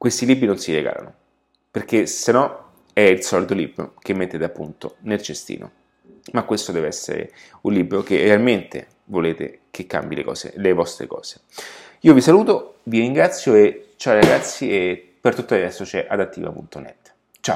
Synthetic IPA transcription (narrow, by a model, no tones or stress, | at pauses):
kwest̪ilibɾinonsiɾeɡa̰ːla̰no | perkesenɔ | ɛilsɔlit̪olibɾo̰k̟emːet̪ːeːt̪eapːunt̪onelt͡ʃest̪ḭːnʔo̰ | makːwest̪od̪ɛːveɛsːḛɾḛ | unlibɾok̟erealment̪ḛ | voleːt̪ḛ | kʰekːa̰mbilḛkɔ̰ːsḛlevɔst̪ɾḛkɔ̰ːz̥e̥ | iːovisaluːt̪oviɾiŋɡɾat̪sːjoet͡ʃːawiɾaɡat̪sːie | pert̪ut̪ːoad̪ɛsːot͡ʃɛʔad̪at̪ːḭːva̰pṵnt̪onɛ̰t̪ː | t͡ʃa